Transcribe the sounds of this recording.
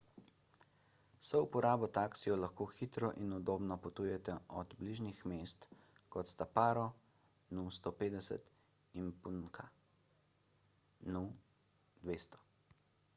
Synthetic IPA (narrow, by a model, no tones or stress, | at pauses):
sɔupɔɾaːbɔt̪aːksijɔlaxkoːxit̪ɾɔʔinud̪oːbnɔpɔt̪uːjɛt̪ɛʔɔd̪bliʒnixmeːst̪ | kɔt̪st̪apaːɾɔ | nust̪oːpeːd̪ɛsɛ̰t̪ | inpunkʰa | nu | d̪ʋeːst̪ɔ̥